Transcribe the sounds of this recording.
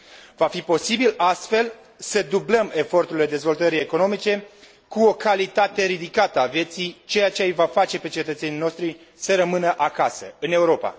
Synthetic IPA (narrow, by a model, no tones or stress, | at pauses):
vafipo̞sibilast̪fe̞l | səd̪ubləme̞fo̞rt̪uɾile̞d̪e̞zvo̞lt̪əɾie̞ko̞no̞mit͡ʃe̞ | kuo̞kalit̪at̪e̞ɾid̪ikat̪əavje̞t̪sit͡ʃe̞jat͡ʃejvafat͡ʃe̞pe̞t͡ʃe̞t̪ət̪se̞nino̞ʃt̪ɾi | səɾəmɨnəʔakasə̰ɨne̞uɾo̞pa̰